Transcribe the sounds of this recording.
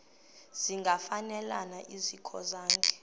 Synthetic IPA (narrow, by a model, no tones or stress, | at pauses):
z̥iŋɡʱafanɛlanaʔizikʰɔ̰zaːŋkʰʼɛ̥